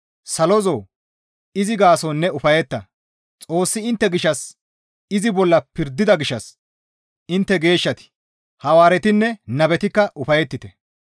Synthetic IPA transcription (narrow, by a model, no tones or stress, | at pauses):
sɐlɔzoː | ɪzɪɡaːsonːɛʊfɐjɛt̪ːɐ | t͡sʼo̞ːsːɪɪnt̪ːɛɡɪʃːɐs | ɪzɪbɔlːɐpɪɾd̪ːɪd̪ɐɡɪʃːɐs | ɪnt̪ːɛɡe̞ːʃːɐt̪ɪ̥ | hɐwaːɾɛt̪ɪnːɛnɐbɛt̪ɪkːɐʔʊfɐjɛt̪ːɪt̪ɛ